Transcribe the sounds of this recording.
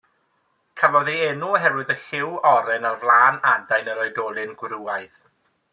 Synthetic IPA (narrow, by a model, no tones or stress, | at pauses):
kʰavɔðiɛnuɦɛɾwɨðəxɪwɔɾɛnarvlˠaːnadajnəɾɔjdɔːlˠɨnɡwɾuajð